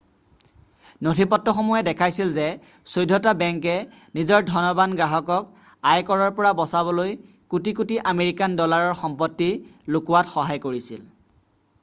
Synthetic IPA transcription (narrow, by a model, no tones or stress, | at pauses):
notʰipɔtːɔxomujɛdɛkʰajsilzɛ | sojdʱːɔtabɛŋkɛ | nizɔɹdʱɔnɔbanɡɹaɦɔkɔk̚ | ajkɔɹɔɹpɔɹabɔsaβɔloj | kutik̬utiʔameɹikandɔlaɹɔɹxɔmpɔtːilʊkuwatxɔɦajkoɹisil